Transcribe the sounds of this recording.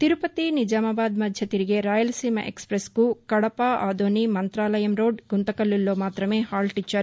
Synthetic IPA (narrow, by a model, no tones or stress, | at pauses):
t̪iɾupɐt̪inid͡ʒaːmɐbaːd̪mɐd̪ʱjɐt̪iɾiɡe̞ɾaːjɐlsiːmɐ̰ʔḛkspɾeskukɐɽɐpaaːd̪oːnimɐnt̪ɾaːlɐjɐmɾoːɖɡunt̪ɐkɐlːilːoːmaːt̪ɾɐmeːhaːlʈit͡ʃːɐɾ